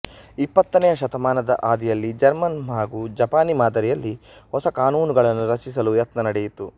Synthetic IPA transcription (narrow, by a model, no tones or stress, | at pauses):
ipːɐt̪ːɐnɛjɐʃɐt̪ɐmaːnɐd̪ɐ̰ʔaːd̪ijɐlːid͡ʒɐɾmɐnɦaːɡuːd͡ʒɐpaːnimaːd̪ɐɾijɐlːihɔsɐkaːnuːnuɡɐɭɐnːuɾɐt͡ʃis̬ɐlujɐt̪nɐnɐɽɛjit̪ːu